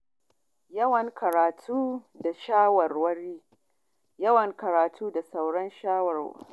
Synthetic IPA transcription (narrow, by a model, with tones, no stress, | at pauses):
jɐ˦wɐ˨ŋkʰɐ˨ɾaː˨tʰuː˦ | da˨ʃaː˦wɐ˨rwɐ˦ɽiː˦ | jɐ˦wɐ˨ŋkɐ˨ɾaː˨tʰuː˦da˨sa˨wɽɐ˦nʃaː˦wɐ˨r